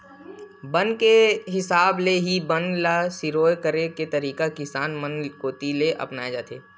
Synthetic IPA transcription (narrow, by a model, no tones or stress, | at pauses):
bənkeɦɪsaːbleɦibənlasɪɾoːjkəɾeket̪əɾiːkakɪsaːnmənkoːt̪ileʔɐ̰pnaːed͡ʒaːt̪ʰeː